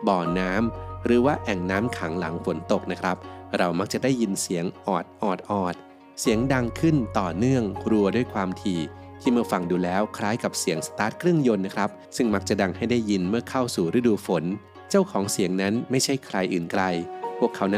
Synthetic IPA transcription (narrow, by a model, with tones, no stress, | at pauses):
bɔː˨˩naː˦˥mɾɯː˩˦waː˥˩ʔɛ˨˩ŋnaː˦˥mkʰa˩˦ŋla˩˦ŋfo˩˦nt̪o˨˩k̚na˦˥kʰɾa˦˥p̚ɾa˧wma˦˥k̚t͡ɕa˨˩daː˥˩jːi˧nsi˩˦əŋʔɔː˨˩t̪̚ʔɔː˨˩t̪̚ʔɔː˨˩t̪̚ | si˨˩˦əŋda˧ŋkʰɯ˥˩nt̪ɔː˨˩nɯ˥˩əŋkɾu˧ɐdu˥˩əjkʰwaː˧mt̪ʰiː˧ | t̪ʰiː˥˩mɯ˥ɐfa˧ŋduː˧lɛː˦˥wkʰɾaː˦˥jka˨˩p̚si˩˦əŋsḁ˧t̪aː˦˥t̪̚kʰɾɯ˥˩əŋjo˧nːa˦˥kʰɾa˦˥p̚sɯ˥˩ŋma˦˥k̚t͡ɕa˨˩da˧ŋha˥˩jda˥˩jːi˧nmɯ˥˩ɐkʰa˥˩wsuː˨˩ɾɯ˦˥duː˧fo˩˦n | t͡ɕa˥˩wkʰɔː˩˦ŋsi˨˩˦əŋna˦˥nma˥˩jt͡ɕʰa˥˩jkʰɾa˧jʔɯː˨˩nkɾa˧jpʰu˥˩əkʰːa˩˦wn˦˥